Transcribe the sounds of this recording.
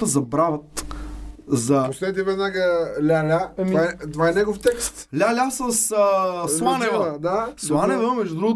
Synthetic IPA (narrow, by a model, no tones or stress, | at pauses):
əzɐbɾavət̪ | zɐpost̪ɛt̪ivɛd̪naɡəlʲalʲaovaɛt̪ovaɛnɛɡoft̪ɛkst̪lʲalʲasəsəslˠanɛvɛd̪aslˠanɛvɛmɛʒd̪ud̪ɾuɡʊ